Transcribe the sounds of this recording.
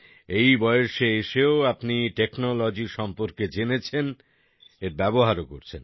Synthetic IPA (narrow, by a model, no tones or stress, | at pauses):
ejbɔeoʃeeʃeoapniʈeknolod͡ʑiɾʃɔmpoɾked͡ʑenet͡ɕʰen | eɾbɛboɦaɾoko̰ɾt͡ɕʰen